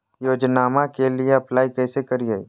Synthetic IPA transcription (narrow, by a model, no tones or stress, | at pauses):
joːd͡ʒnaːmakelieɐplaːikɛːsekɐɾiɦaːḭː